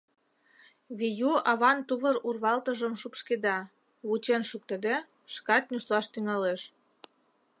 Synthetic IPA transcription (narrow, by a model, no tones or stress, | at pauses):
βijuɑβɑnt̪uβəɾurβɑlt̪əʒəmʃupʃked̪ɑ | βut͡ɕenʃuk̚t̪ed̪e | ʃkɑt̪̚nʲuslɑʃt̪yŋɑleʃ